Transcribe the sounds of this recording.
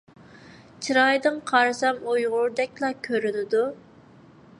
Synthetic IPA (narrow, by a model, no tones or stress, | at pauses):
t͡ʃʰiɾɑjd̪ɨŋqʰɑɾsɑmujʁʊɾd̪ɛkʲlˠɑkʲʰøɾynɪd̪u